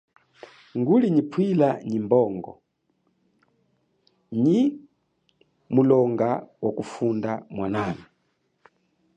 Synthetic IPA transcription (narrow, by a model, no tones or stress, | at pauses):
ŋɡuliɲipʰwilaɲimbɔːŋɡɔ̰ | ɲi | mulɔŋɡawʔakufundamwanaːni